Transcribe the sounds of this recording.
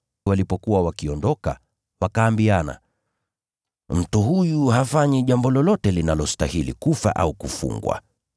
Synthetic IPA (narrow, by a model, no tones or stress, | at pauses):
walipɔkuwawakiɔndɔka̰ | wakaːmbiana̰ | m̩tuhujuɦafaɲiʄambɔlɔlɔtɛlinalɔstahilḭkufa̰ʔaukufṵŋɡwa̰